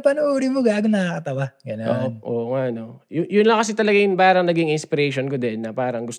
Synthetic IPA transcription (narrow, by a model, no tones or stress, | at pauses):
pɐnʊʔuːɾimoɡaːɡ̪ɐnɐɐkɐt̪ɐwaɡɐnoo̰nʔo̰ːŋaʔɐnojʊjʊnlɐŋkɐsɪt̪ɐlɐɡajʊŋpaːɾɐŋnɐɡɪŋɪnspɪɾɛjʃonkod̪ɛnːɐpaːɾɐŋɡʊst̪